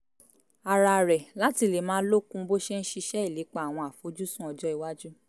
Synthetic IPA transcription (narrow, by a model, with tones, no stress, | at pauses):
a˨ɾa˧˨ɾɛ˨la˦ti˧le˨mãː˨˦lo˦kũ˦bo˦ʃe˦n̩˦ʃi˧ʃɛ˦i˦˨le˨˦k͡pa˦a˨w̃ɔ̃˧a˨fo˨˦d͡ʒu˦sũ˦ɔ˧d͡ʒɔ˦i˨wa˦d͡ʒu˦